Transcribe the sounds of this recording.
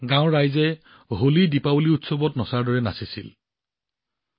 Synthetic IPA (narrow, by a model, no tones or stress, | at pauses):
ɡãʊɹajzɛ | ɦolidipabuliutsobɔtnɔsaɹdɔɹɛnasisḭl